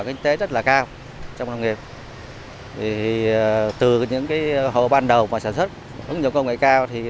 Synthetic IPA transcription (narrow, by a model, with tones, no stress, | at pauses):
kï˧ŋ̟t̪e˨˦zə˦˥t̚laː˨˩kaː˧w | t͡ɕɔ˧wŋ͡mnla˧wŋ͡mŋi˨˩əp̚ | vi˨˩i˨˩t̪ɨ˨˩ɲɨ̰˧˥ŋkaː˨˦jho̰˧˨ɓaː˧nɗə˨˩wmaː˨˩saː˧˩nswə˦˥t̚ | ʔɨ̰˨˦ŋɲi˨˩wkə˧wŋ͡mŋḛ˧˨jkaː˧wt̪ʰi˨˩